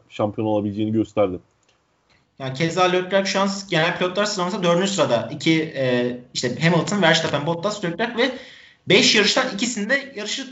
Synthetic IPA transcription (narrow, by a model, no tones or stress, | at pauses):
ʃampʰijo̞nolˠabilʲd͡ʒeːniɟø̞st̪ʰæɾd̪im | jaːnicʰezaːlʲøpʲɾaɾkʃuansɟe̞nælʲpilʲot̪lˠaɾsɯɾamasad̪ø̞ɾnysɯɾad̪aicʰiɛːiʃt̪ɛɦemlˠt̪ʰɯnvæɾʃt̪ʰapænbo̞t̪̚ːaslʲøkʲɾæɾkvɛ | bɛʃjaɾɯʃt̪anicʰisind̪ɛjaɾɯʃɯ